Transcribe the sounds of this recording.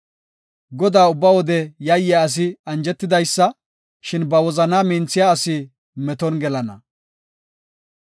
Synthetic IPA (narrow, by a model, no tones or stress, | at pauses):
ɡɔd̪aːʊbːɐwɔd̪ɛjɐjːɪjaɐs̬ɪɐnd͡ʒɛt̪ːɪd̪ɐjsːɐ | ʃɪnbɐwɔzɐnaːmint͡sɪjaɐsɪ | mɛt̪ɔnɡɛlɐnɐ̰